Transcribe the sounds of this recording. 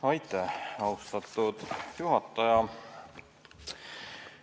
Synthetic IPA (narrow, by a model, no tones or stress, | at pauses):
ɑjt̪ːˑeɑust̪ɑt̪ˑːud̪̥juɦɑt̪ːˑɑjɑ